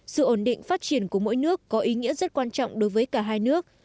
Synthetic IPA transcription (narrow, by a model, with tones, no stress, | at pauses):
sɨ̰˧˨ʔo˧˩nɗḭ˧˨ŋ̟faː˦˥t̚t͡ɕi˧˩ənku˧˩əmo̰˧˥jnɨ˦˥əkːɔ˨˦ʔi˨˦ŋḭ˧˥əzə˦˥t̚kwaː˧nt͡ɕɔ̰˧˨wŋ͡mɗo˨˦jvəː˨˦jkaː˧˩ɦaː˧jnɨ˦˥ək̚